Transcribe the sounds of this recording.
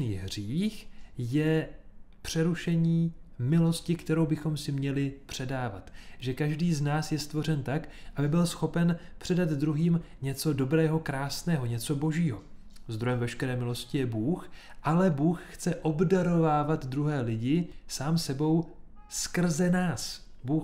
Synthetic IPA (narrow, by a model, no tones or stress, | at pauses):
niːɦriːxjɛ | pr̝̥ɛɾuʃɛɲiːmɪlo̞scɪkt̪ɛɾo̞wbɪxo̞msɪmɲɛlɪpr̝̥ɛdaːva̰t̪ʒɛkaʒdiːznaːsjɛst̪vo̞r̝ɛnt̪akʔabɪbɪlsxo̞pɛnpr̥ɛdad̪dɾuɦiːmɲɛt͡so̞do̞bɾɛːɦo̞kɾaːsnɛːɦo̞ɲɛt͡so̞bo̞ʒiːɦo̞ | zd̪ɾojɛmvɛʃkɛɾɛːmɪlo̞scɪjɛbuːxʔalɛbuːxxt͡sɛʔo̞bdaɾo̞vaːvat̪d̪ɾuɦɛːlɪɟɪsaːmsɛbo̞wskr̩zɛnaːs | buːx